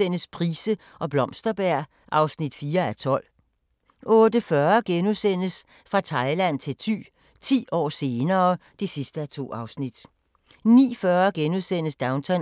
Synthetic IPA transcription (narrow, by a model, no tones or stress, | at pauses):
en̰əspʰʁiːsə | ʔɒ̽b̥lɒ̽msd̥ɐb̥æɐ̰ | ʔɑ̈ʊsnid̥fiːɐæt͡sʰɒ̽l̰ | ʔɔ̽ːd̥əfɶɐɡ̥enusen̰əs | fʁɑ̈t͡sʰɑ̈ɪlæn̰t͡sʰe̝lt͡sʰy̰ː | t͡sʰḭːɒ̰ːse̝ːnɐːd̥esisd̥əæt͡sʰo̝̰ːɑ̈ʊsnid̥ | nḭːfɶːɐɡ̥enuðˠsen̰əsd̥ɑ̈ʊnt͡sʰɑ